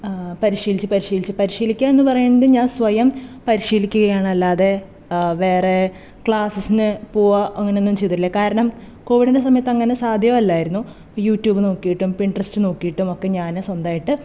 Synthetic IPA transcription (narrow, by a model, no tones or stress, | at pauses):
pɐɾiɕiːlit͡ɕːɨpɐɾiɕiːlit͡ɕːɨpɐɾiʂiːlikʲːaːe̞nːɨpɐrɐjuɳɐɖ̪ɨɲaːnsʋɐjɐmpɐɾiɕiːlikʲːuɣɐjaːɳɐlːaːðe̞ | ʋe̞ːre̞ | kɭaːsɐsinɨpoːaʔɐŋːɐneonːumt͡ɕe̞jit̪iilːɐkaːɾɐɳɐm | ko̞ːʋiɽindes̬ɐmɐjɐt̪ːɐŋːɐne̞saːd̪ʱjɐɐlːaːjiɾunːu | juːtːjuːbɨno̞ːkːijiʈːumpiɳɖrɐstɨno̞ːkːijiʈːumo̞kːe̞ɲaːnswɐnd̪aːjiʈːɨ